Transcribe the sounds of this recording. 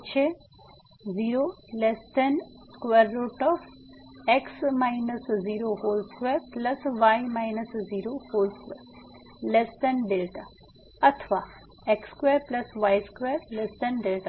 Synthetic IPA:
t͡ʃʰe | ziːɾolest̪ɐn | skʋeɾːoʈɔːf | eksmaːjnəsziːɾoɦoːlskʋeːɾplɐsʋaːjmaːjnəsziːɾohoːlskʋeɾ | lest̪ɐnɖelʈa | ɐt̪ʰʋaː | ekskʋeːɾplɐsʋaːjskʋeːɾlesʈ̪ɐnɖelʈa

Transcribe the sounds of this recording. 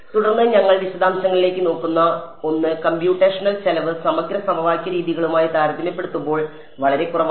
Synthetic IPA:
t̪uɽɐrnːɨɲɐŋːɐɭʋiɕɐd̪ʱaːmɕɐŋːɐɭile̞ːkʲːɨno̞ːkːunːɐo̞nːɨkɐmpjuːʈːeːʂɐnɐlsɐlɐʋɨsɐmɐɡɾɐsɐmʱɐʋaːjkʲːɐɾiːðiɣɐɭumaːjit̪aːɾɐd̪ʱimɐpːe̞ɽut̪ːumbo̞ːɭ | ʋɐɭɐɾe̞kurɐʋ

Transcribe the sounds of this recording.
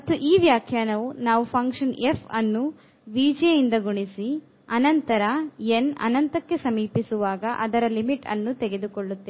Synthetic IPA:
mɐt̪ːuʔiːʋjaːkʰjaːnɐʋunaːʋupʰɐŋkʂɐnefʰɐnːu | ʋiːd͡ʒeind̪ɐɡuɳisi | ɐnɐnt̪ɐɾɐenɐ̰nɐnt̪ɐkːe̞sɐmiːpisuʋaːɡɐʔɐd̪ɐɾɐlimiʈɐ̰nːut̪ɛɡe̞d̪ukoɭːut̪ːe

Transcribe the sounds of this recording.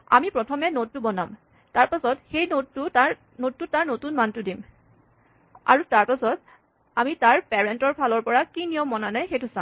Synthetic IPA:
a̰mipɹɔtʰɔmɛnotːubɔna̰m | taɹpasɔtxejnottːuta | notːutaɹnotunmantʊdim | a̰ɹutaɹpasɔt | amitaɹpɛɹɛntɔɹpʰalɔɹpɔɹakinijɔmːɔnanajxejtʊsã

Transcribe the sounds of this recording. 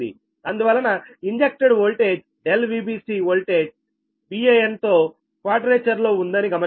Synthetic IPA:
d̪ḭ | ɐnd̪uʋɐlːɐnɐiɲd͡ʒek̚ʈeɖɦoːlʈeːd͡ʒ | ɖelʋiːbiːsiɦoːlʈe̞ːd͡ʒ | biːejent̪o̞ː | kʋaːʈɾeːt͡ʃɐɾlo̞ːund̪ɐniɡɐmɐ

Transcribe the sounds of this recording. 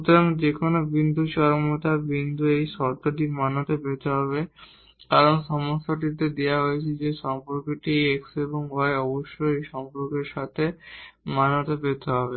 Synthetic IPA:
ut̪oɾaŋd͡ʑekʰonobind̪ʱut͡ɕɔɾomot̪abind̪ʱuejʃɔɾt̪oʈimanot̪apet̪eɦɔβe | kaɾonʃɔmoʃaʈ̬it̪ed̪eaɦoet͡ɕʰid͡ʑeʃɔmpoɾkeʈiejekseboŋɦɔeɔboʃːojejʃɔmpoɾkeɾʃat̪ʰemanot̪apet̪eɦɔbe

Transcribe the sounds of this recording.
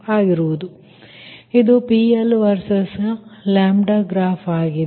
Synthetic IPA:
aːɡiɾuʋud̪u | id̪upiːelʋɐɾsɐslaːmɖɐɡɾaːpʰaːɡi

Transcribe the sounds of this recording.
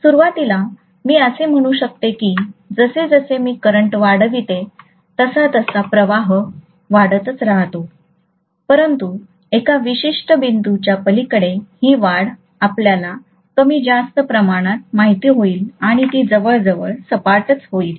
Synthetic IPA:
suɾuʋat̪ila | miːəsem̤əɽ̃uːɕək̚t̪ekiːd͡zəsed͡zəsemiːkəɾəɳʈʋaɽəʋit̪e | t̪əsat̪əsapɾəʋaɦə | ʋaɽət̪ət͡sɾaɦt̪o | pəɾənt̪u | ekaʋiɕiʂʈəbind̪ut͡ɕjapəlikəɽehiːʋaɽ | apljala | kəmiːd͡zast̪əpɾəmaɽ̃at̪̚maɦit̪iːɦoiːlaɽ̃it̪iːd͡zəʋəɭd͡zəʋəɭsəpaɾt̪ət͡sɦoiːl

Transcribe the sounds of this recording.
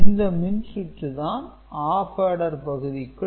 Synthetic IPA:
ɪnd̪ɐmɪnsɪʈrɯðaːn | aːfɐːɽɐɾpɐɣɯðɪkːɯ

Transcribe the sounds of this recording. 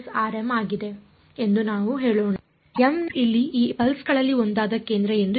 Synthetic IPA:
saːɾemaːɡid̪e̞ | e̞nd̪unaːʋuɦeːɭoːɳa | jɐmilːiiːbɐlsɡɐɭɐlːiond̪aːd̪ɐke̞ːnd̪ɾɐend̪

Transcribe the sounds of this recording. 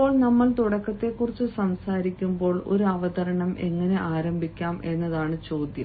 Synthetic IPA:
o̞ːɭnɐmːɐlt̪uɽɐkːɐt̪ːe̞kːurit͡ɕːɨsɐmsaːɾikʲːumbo̞ːɭo̞̰ɾuɐʋɐd̪ɐɾɐɳɐmʔe̞ŋːɐne̞ʔaːɾɐmbʱikʲːaːmʔe̞nːɐðaːɳɨt͡ɕo̞ːd̪jɐ

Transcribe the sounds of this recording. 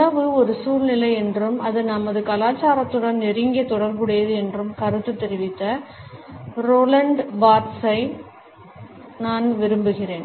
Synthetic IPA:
ɐʋɯɔɾɯsuːlnɪlɐɪɛndrɯmɐðɯnɐmɐðɯkɐlaːt͡ʃːaːɾɐt̪ːɯɽɐnnɪɾɪŋɡɐt̪ːɔɽɐɾbɯɽɐjɐðɯɛndrɯmkɐɾɯt̪ːɯt̪ːɛɾɪʋɪt̪ːɐ | ɾoːlɐɳɖbaːɾsɐɪ | naːnʋɪɾɯmbɯɣɪreːn

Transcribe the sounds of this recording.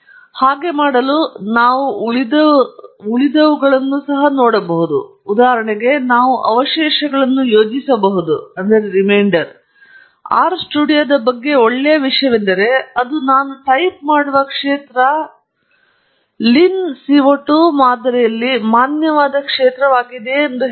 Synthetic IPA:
haːɡe̞maːɽɐlunaːʋuɭid̪ɐuɭid̪ɐʋuɡɐɭɐnːusɐɦɐnoːɽɐbɐɦud̪ṵːd̪aːɦɐɾɐɳɛɡe̞naːʋuʔɐ̰ʋɐʃɛːʃɐɡɐɭɐnːujo̞ːd͡ʒisɐbɐɦud̪uɐnd̪ɐɾeɾimɐjɳɖɐɾ | a̰ːɾsʈuːɽijɐd̪ɐbɐɡːe̞oɭːejɐʋiʂɐjɐʋend̪ɐɾe̞ɐd̪unaːnuʈɐjp̚maːɽuʋɐkʂeːt̪ɾɐ | linsiʋoʈːumaːd̪ɾɛjɐlːimaːnjɐʋaːd̪ɐkʂeːt̪ɾɐʋaːɡid̪e̞ːnd̪u

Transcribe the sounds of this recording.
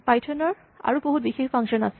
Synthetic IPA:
pajtʰɔnɔɹ | a̰ɹuboɦut̚bixexpʰaŋkʃɔnasɛ

